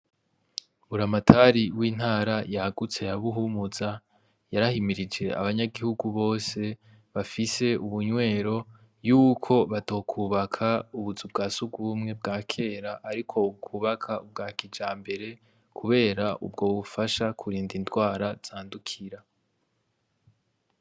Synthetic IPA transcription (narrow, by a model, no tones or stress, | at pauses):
βuɾamatʰaɾiwiːn̥haːɾajahaɡut͡se̞jaβuɦumuza | jaɾahimiɾid͡ʒe̞a̰βaɲaɡihuɡuβo̞ːse̞ | βafise̞uβuɲwe̞ːɾo̞ | juːkʰo̞βatokʰuːβakʰauβuzubɡaːsuɡwumŋe̞bɡaːkʰe̞ːɾaʔaɾikʰo̞ub̚ɡuːβakʰaub̚ɡaːkid͡ʒaːmbe̞ɾe̞ | kʰuβe̞ːɾaʔubɡo̞ːβufaʃakʰuɾiːndintɡwaːɾaz̥aːndukʰiɾa